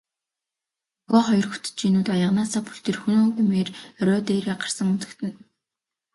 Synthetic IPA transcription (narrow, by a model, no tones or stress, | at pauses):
xɔːχɔjɞrxu̥t̪̆t͡ɕinuːt̪ɔjə̆ʁnaːsaːpu̥ɬt̪erxunoŋɡemeːrrœːt̪eːraɢḁrsə̆ŋun̥t͡s̪ɘ̥̆kt̪ʰɘ̆n